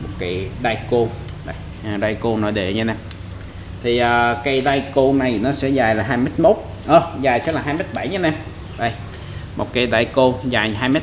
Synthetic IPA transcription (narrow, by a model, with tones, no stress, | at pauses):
mo˨˩t̚ki˨˦ɗa˧jko˧ | ɗa˧˨˩j | ɗaː˧jko˧nɔ˨˦ɗḛ˨˩ɲa˧nɛ˧m | t̪ʰi˨˩ʔəː˨˩ka˨˦ɗaː˧jko˧na˨˩jnɔ˨˦sɛ̰˧˥zaː˨˩jlaː˨˩ɦaː˧jmə˦˥t̚mo˦˥t̚ | ʔəː˨˩zaː˨˩jsɛ̰˧˥laː˨˩ɦaː˧jmə˦˥t̚ɓa˧˩jɲa˧nɛ˧m | ɗə˧˩j | mo˨˩t̚ka˨˧˦ɗaː˧jko˧zaː˨˩jɦaː˧jme˦˥